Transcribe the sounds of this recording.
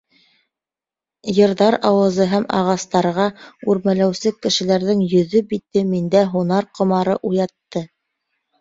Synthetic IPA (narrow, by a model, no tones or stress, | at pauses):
jɤ̆ɾðɑɾɑwɤ̆zɤɦæmɑ̰ʁɑst̪ɑɾʁɑʉɾmælæwsɘkːɘ̆ʃɘ̆læɾðɘŋjɵ̆ðɵbit̪ɘmind̪æɦunɑɾqŏmɑɾɤʔujɑt̪ːɤ